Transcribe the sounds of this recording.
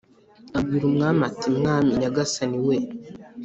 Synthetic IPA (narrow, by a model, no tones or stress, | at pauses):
abɡiːɾumŋaːmatimŋaːmiɲaɡasaniwe